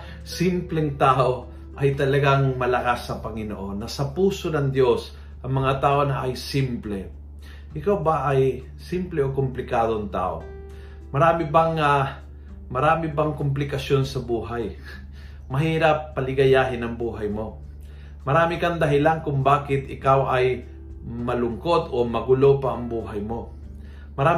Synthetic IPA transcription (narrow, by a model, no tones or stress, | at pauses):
sɪmplɛŋt̪aːʔo | ʔɐjt̪ɐlɐɡaŋmɐlɐkasːɐpɐŋɪnoʔo̞nːɐsɐpuːso̞nɐŋd̪jo̞s | ʔɐŋmɐŋat̪aːʔo̞nɐʔɐjsimplɛ | ʔɪkawbaʔɐj | simplɛʔokʊmplɪkaːd̪oŋt̪a̰ːʔo̰ | mɐɾaːmɪbaŋa | mɐɾaːmɪbaŋkʊmp̬lɪkɐsjonsɐbuːɦaj | mɐɦiːɾapːɐlɪɡɐjaːɦɪnɐŋbuːɦajmo̞ | mɐɾaːmɪkaŋd̪ɐɦɪlankʊŋbaːkɪt̪ɪkawʔaj | mɐlʊŋkod̪omɐɡʊlopɐʔɐŋbuːɦajmo̞ | mɐɾaː